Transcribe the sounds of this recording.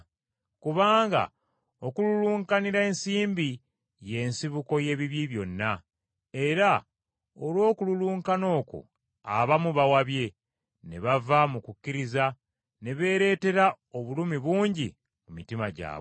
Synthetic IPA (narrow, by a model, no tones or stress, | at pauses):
kuβaːŋɡa̰ | o̞kululuːŋkaniɾae̞ːnsiːmbi | je̞nsiβuko̞je̞βiβjiβjo̞nːa | e̞ɾa | olwo̞ːkululuːŋkano̞ːko̰ | a̰βamuβawaβje̞ | ne̞̰βavamukucːiɾiza | ne̞βe̞ːɾe̞ːte̞ɾa | o̞βulumiβuːɲɟḭ | mumitimaɟa̰ː